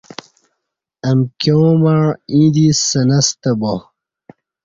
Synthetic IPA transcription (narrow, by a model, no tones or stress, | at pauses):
ɐmkomaɻĩd̪isɐnɐst̪ɐbo